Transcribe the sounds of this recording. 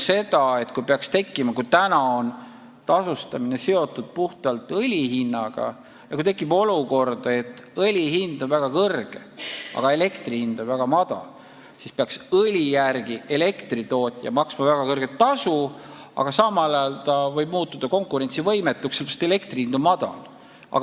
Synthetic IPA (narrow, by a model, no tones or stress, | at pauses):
se̞d̪̥ɑe̞t̪kujpeɑkst̪e̞kˑːimɑkujt̪ænɑo̞n | t̪ɑsust̪ɑmine̞se̞o̞t̪ːˑud̪̥̚puht̪ɑlt̪ˑɤlʲiɦinːɑɡ̥ɑ̰ | jɑkujt̪e̞kːˑibo̞luko̞rd̪̥e̞t̪ːˑɤlʲiɦind̪̥o̞nvæɡ̥ɑkɤrɡ̥e̞̰ɑ̰ɡ̥ɑe̞le̞kt̪rihind̪̥o̞nvæɡ̥ɑmɑd̪̥ɑ̰ | sispeɑksɤlʲijærɡ̥ie̞le̞kt̪rit̪o̞ːt̪ʲːˑjɑ̰mɑksmɑvæɡ̥ɑkɤrɡ̥e̞t̪ːɑsu | ɑ̰ɡ̥ɑsɑmɑlɑjɑlt̪ɑvɤjb̥̚muːt̪ːˑud̪̥ɑko̞ŋkˑuɾe̞nt̪sivɤ̞jme̞t̪ːˑukselbst̪ele̞kt̪rihind̪̥omɑd̪̥ɑ̰l | ɑ̰